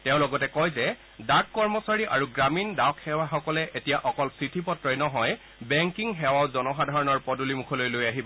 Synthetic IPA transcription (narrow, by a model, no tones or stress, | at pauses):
tɛʊ̃lɔɡɔtɛkɔjzɛ | dakkːɔɹmɔsaɹiʔa̰ɹuɡɹamindawkʰhɛwaxɔkɔlɛʔetijaʔɔkɔlsɹitʰipɔtɹɔjnɔɦɔj | bɛŋkiŋɦɛwawzɔnɔxadʱaɹɔnɔɹpɔdulimukʰɔlojlojaɦibɔ